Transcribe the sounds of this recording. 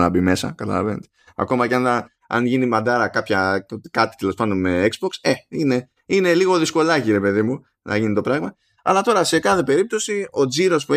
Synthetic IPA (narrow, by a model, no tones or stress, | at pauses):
nɐbime̞sɐ̰kɐt̪ɐ̰lɐ̰venet̪e | ɐ̰ko̞mɐceɐnɐ | ɐ̰nʝinimɐd̪ɐɾɐkɐpçɐkɐt̪i̥t̪e̞lo̞spɐnd̪o̞nme̞ekzbo̞kseine̞ | ine̞liɣo̞ðisko̞lɐciɾe̞pe̞ðimu | nɐ̰ʝinit̪o̞pɾɐɣmɐ | ɐ̰lɐt̪o̞ɾɐse̞kɐθe̞pe̞ɾip̚t̪o̞sio̞d͡ziɾo̞spue